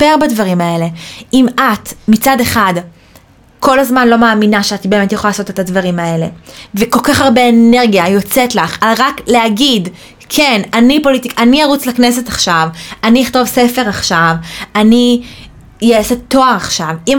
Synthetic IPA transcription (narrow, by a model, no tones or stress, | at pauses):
eʁbadvaʁimae̞le̞ʔimatmit͡sade̞χad | ko̞lazmanlo̞maːminaʃeatibe̞ːme̞tjaχoalaːso̞te̞tadvaʁimae̞le̞̰veko̞lkaχaʁbe̞ːne̞ʁɡijajo̞t͡setlaχaʁakleaɡid | kʰenanipo̞lit̪ikʔaniaʁut͡slaknese̞taχʃavaniaχt̪o̞vsefe̞ʁaχʃavani | jesetːo̞aʁaχʃavim